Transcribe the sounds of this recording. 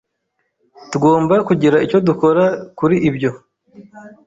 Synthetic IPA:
tuɡo̞ːmbakuɟiɾaico̞duko̞ɾakuɾiʔibɟo̞

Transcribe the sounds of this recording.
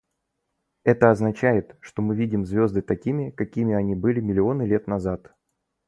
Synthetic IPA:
ɛt̪əɐznɐt͡ɕæjɪt̪ʂt̪o̞mɨvʲidʲɪmzvʲo̞zd̪ɨt̪ɐkʲimʲɪkɐkʲimʲɪɐnʲibɨlʲɪmʲɪlʲɪo̞nɨlʲe̞t̪nɐzat̪

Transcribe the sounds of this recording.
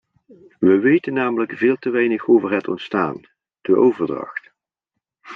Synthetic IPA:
ʋəʋejtənːaːmələkv̥ɪːlˠtəʋɛjnəxowvəɹɦətɔ̰ntsta̰ːn | d̥əʔowvəɹdrɑ̰xt

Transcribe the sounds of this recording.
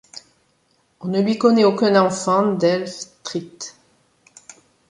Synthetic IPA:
ɔ̃nəlɥikɔnɛokɛ̃nɑ̃fɑ̃d̪ɛlft̪χit̪

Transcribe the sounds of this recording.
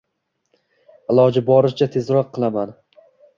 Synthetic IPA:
ɪlˠɒd͡ʒɪbɒɾɪʃt͡ʃʰat̪ʰe̞zɾɒqʰːɨlˠaman

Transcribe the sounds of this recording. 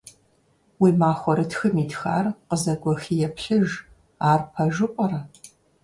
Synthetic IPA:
wiːmaːxʷɔɾɨtxɨmiːtxa̰ːrqəzɐɡʷɔxijɛpʰɬɨʒ | aːrpʰɐʒɨqʷʼɐɾɐ

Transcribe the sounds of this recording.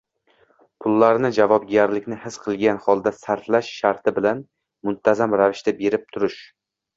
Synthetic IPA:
pʰʊlːaɾnɪd͡ʒavɒb̚ɡʲaɾlɪkʲnɪhɪz̥qʰɨlˠɡʲanhɒlˠd̪asaɾflaʃːaɾt̪ʰɪbɪlan | mʊnt̪ʰazamɾavɪʃt̪abe̞ɾɪp̚t̪ʰʊɾɪʃ

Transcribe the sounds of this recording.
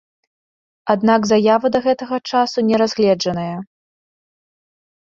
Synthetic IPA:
ad̪naɡzajavɐd̪ɐɣɛt̪ɐɣɐt͡ʂasunʲɛɾazʲɣlʲɛd͡ʐɐnɐjɐ

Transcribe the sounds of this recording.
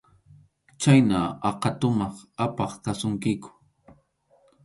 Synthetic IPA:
t͡ʃajnaɑqɑt̪ʊmɑχapɑχkasʊŋkɪkʊ̥

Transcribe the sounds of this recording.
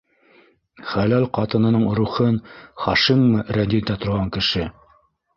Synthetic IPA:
χælælqɑt̪ɤ̆nɤ̆nɤɴ̆ɾuχɤnχɑʃimːɤɾæd̪ʲid̪æt̪ŏɾʁɑŋkɘ̆ʃɘ

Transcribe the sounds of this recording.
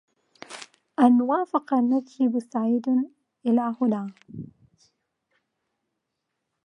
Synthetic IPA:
ʔanwaːfɪqɑnːadhɪbʊsaʕiːd̪ | ʔɪlaːhʊnaː

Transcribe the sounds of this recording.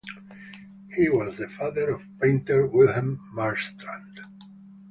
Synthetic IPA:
hiwɔzðɨfaðəɹɔv̥pẽntəɹwɪlˠhãmːaɹst̪ɹãnd

